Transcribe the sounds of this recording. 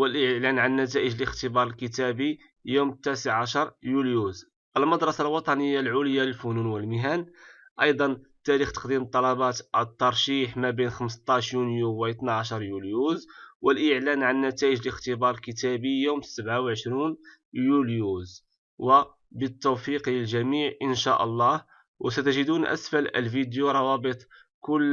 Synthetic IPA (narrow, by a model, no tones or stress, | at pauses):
wəlʔəʕlænʕanːæt̪̬æʔəʒəlʔəxt̪əbɑɾˤəlkət̪æbi | jumt̪ːæsəʕʕaʃɑɾˤjuljuz | ʔəlməd̪ɾˤɑsalwɑt̪ˤɑnəjːalʕʊləjːaləlfununwəlməɦæn | ʔɑjd̪ˤɑnt̪ːæɾixt̪ə̥qd̪imt̪ˤːɑlɑbɑt̪t̪ˤːɑɾˤʃiħmæbinxəməst̪ˤːɑʃjunjuwæjt̪naʕaʃɑɾˤjuljuzwəlʔəʕlænʕanːæt̪æjəʒələxt̪əbɑɾˤlkət̪æbijumsəbʕawʕəʃɾun | juljuz | wə | bət̪ːuwfiqlʒæmiʕʔənʃæʔəlˤːɑh | wʔə̰sæt̪əʒəd̪unʔæ̰sfælə̰lfid̪juɾˤɑwɑbət̪ˤ | kʊlː